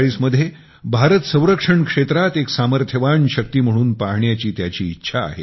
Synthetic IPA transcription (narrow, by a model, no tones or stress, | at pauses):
ɭiːsməd̪ʱje | bʱaɾət̪sə̃w̃ɾəkʂəɳkʂet̪ɾat̪eksaməɾt̪ʰjəʋanɕək̚t̪iːm̤əɽ̃uːnpaɦɳjat͡ɕiːt̪jat͡ɕiːtːɕʰa̰ːɦḛ